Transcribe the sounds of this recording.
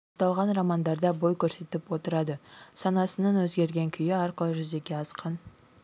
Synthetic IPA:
ot̪ɑlˠʁɑnrɑmɑnd̪ɑɾd̪ɑbo̞jkʲʰɵɾse̞t̪ɪpwo̞t̪əɾɑd̪əsɑnɑsənɑnwɵzɡʲe̞ɾɡʲe̞ŋkʲʰʏjɪɑɾqəlˠəʒʏze̞kʲe̞ɑsqɑn

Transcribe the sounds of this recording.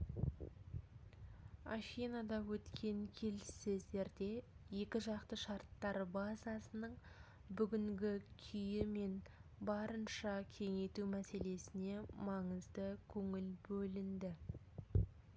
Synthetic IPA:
axijnɑd̪ɑwɵt̪kʲe̞ŋkʲʰe̞lɪsɪzd̪e̞ɾd̪e̞je̞kʲɪʒɑqt̪əʃɑɾt̪ːɑɾbazɑsənəɴ | bʏɡʲɪŋɡʲɪkʲʰʏjɪme̞nbɑɾənʃɑkʲʰe̞ŋe̞t̪umæse̞le̞sɪne̞mɑɴəzd̪əkʲʰɵŋɪlbɵlɪnd̪ɪ

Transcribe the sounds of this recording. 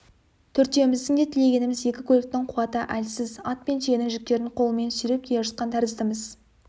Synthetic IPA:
t̪ʰɵɾt̪e̞mɪzd̪ɪŋd̪e̞t̪ʰɪle̞ɡʲe̞nɪmɪze̞kʲɪkʲʰolek̚t̪ɪɴqʰʊwɑt̪əʔælsɪzɑt̪̚pe̞nʃenɪŋʒɪk̚t̪e̞ɾɪɴqʰo̞lˠəme̞nsʏɾe̞p̚kʲʰejeʒʊt̪̚qɑnt̪ʰæɾɪzdt̪əməz̥

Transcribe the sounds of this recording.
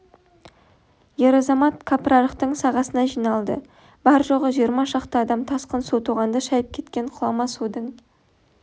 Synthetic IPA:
je̞ɾɑzɑmɑt̪̚kʰaprɑɾəqt̪əɴsɑʁɑsənɑʒijnɑlˠd̪ə̰ | b̥ɑɾʒoʁəʒijəɾmɑʃɑqt̪əɑd̪ɑmt̪ʰɑsqənsut̪ʰuʁɑnd̪əʃɑjəp̚kʲʰe̞t̪kʲe̞ɴqʰʊlˠɑmɑsud̪əɴ

